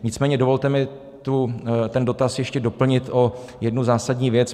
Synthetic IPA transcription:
ɲɪt͡smɛːɲɛdo̞vo̞lt̪ɛmɪ | t̪ut̪ɛndo̞t̪asjɛʃcɛdo̞pl̩ɲɪt̪ʔo̞ | jɛdnuzaːsadɲiːvjɛt͡s

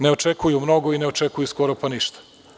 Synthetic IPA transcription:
ne̞ot͡ʃekujumno̞ɡoineot͡ʃekujuskoɾopaniʃt̪ḁ

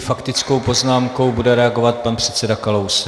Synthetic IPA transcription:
fakt̪ɪt͡sko̞wpo̞znaːmko̞wbudɛɾɛaɡo̞vat̪̚panpr̝̥ɛt̪t͡sɛdakalows

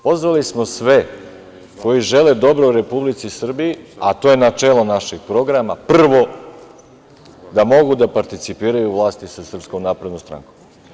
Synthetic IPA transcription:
po̞zʋalismo̞sʋe | ko̞jiʒeled̪o̞bɾouɾe̞publit̪sisr̩bijiat̪ojenat͡ʂeːlˠo̞naʃiɡpɾo̞ɡɾamaprr̩ʋo̞ | d̪amo̞ɡud̪apaɾt̪it̪sipiːɾajuʋlˠaːst̪isasr̩pskomnaːpɾe̞d̪nost̪ɾa̰ŋkom

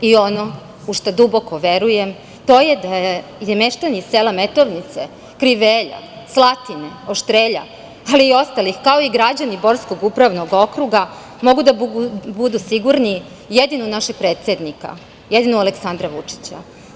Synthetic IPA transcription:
io̞no̞ | uʃt̪od̪ubo̞ko̞ʋe̞ɾujem | t̪o̞jed̪aejemeʃt̪aniseːlame̞t̪o̞ʋnit̪se | kɾiʋeʎa̰ | slˠat̪ine̞oʃt̪ɾeːʎa̰ | aliːo̞st̪alixkao̞iɡɾad͡ʑanibo̞ɾsko̞ɡupɾaʋnoɡo̞kɾuɡa | mo̞ɡud̪abud̪usiɡuɾni | jed̪inunaʃeɡ̥̚pɾeːt̪sʲed̪nika̰ | jed̪inualeksand̪ɾaʋut͡ʂi̥t͡ɕa̰

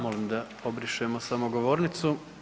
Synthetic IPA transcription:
molimd̪a | obɾiʃeemosamoɡo̞ʋo̞ːɾnit̪su

